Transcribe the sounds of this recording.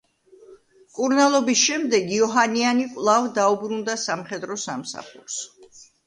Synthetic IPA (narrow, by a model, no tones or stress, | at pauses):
kʼuɾnalˠɔbisʃɛmd̪ɛɡiɔɦanianikʼwlˠavd̪aubɾund̪asamχɛd̪ɾɔsamsa̰χṵɾs